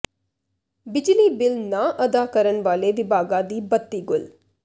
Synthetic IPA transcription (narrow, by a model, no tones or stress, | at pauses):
bɪd͡ʒliːbɪlnãːʔɐd̪aːkəɾənʋaːleːʋɪbʱaːɡãːd̪iːbət̪ːiːɡʊl